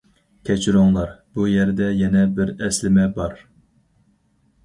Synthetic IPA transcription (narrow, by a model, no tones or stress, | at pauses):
kʲʰɛt͡ʃʰiɾoŋlˠɑɾbujɛɾd̪ɛjɛnɛbɪɾɛslɪmɛbɑɾ